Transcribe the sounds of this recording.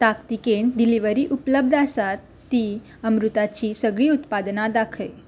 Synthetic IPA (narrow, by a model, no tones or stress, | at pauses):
t̪akt̪ikeɳɖiliʋəɾiːʔupləb̚d̪ʱasat̪ːiː | əmɾut̪at͡ɕiːsəɡɭiːut̪pad̪nad̪akʰəj